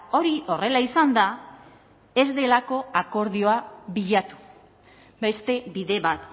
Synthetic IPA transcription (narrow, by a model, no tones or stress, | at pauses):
o̞ɾio̞re̞laisand̪a | e̞zd̪e̞lako̞ako̞ɾðio̞aβiʎat̪u̥ | be̞st̪e̞βiðe̞βat̪